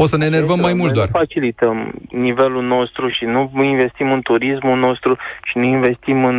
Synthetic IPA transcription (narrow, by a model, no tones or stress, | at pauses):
ot̪səneːnervəmːajmult̪oarfat͡ʃilit̪əmnive̞lulno̞st̪ɾuʃinuinve̞st̪imɨnt̪uɾismulno̞st̪ɾuʃinuinve̞st̪imɨn